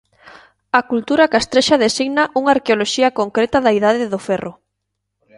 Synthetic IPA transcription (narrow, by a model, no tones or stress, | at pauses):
ɐkult̪uɾakast̪ɾeʃaðesiɣnaʔuŋaːɾkeoloʃiɐkoŋkɾet̪ɐðɐiðaðɪðʊfɛrʔʊ